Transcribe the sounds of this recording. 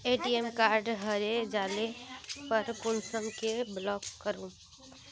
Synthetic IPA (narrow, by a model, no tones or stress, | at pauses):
eːʈiːɛmkaːɾɖɦɐɾed͡ʒaːlepɐɾkʊnsəmkeblɔːkːəɾũː